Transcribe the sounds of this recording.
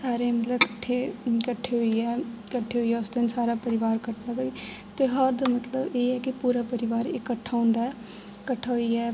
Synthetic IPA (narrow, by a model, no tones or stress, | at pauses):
saːɾeːmət̪ləbkəʈʰːeːkəʈʰːeːɦoiːɛːkəʈʰːeːɦoiːɛːʊsd̪ɪnsaːɾaːpəɾɪʋaːɾkəʈnaːd̪ae | t̪eːɦəɾd̪aːmət̪ləbeːɛːkɪpuːɾaːpəɾɪʋaːɾeːkːəʈʰːaːõːnd̪aɛ | kəʈʰːaːɦoiːɛː